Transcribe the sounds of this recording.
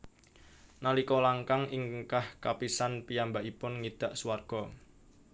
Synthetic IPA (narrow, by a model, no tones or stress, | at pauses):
nalikɔlaŋkaŋɪŋkahkapisanpijambaʔipʊnŋid̪̥a̤ʔsuwarɡ̥ɔ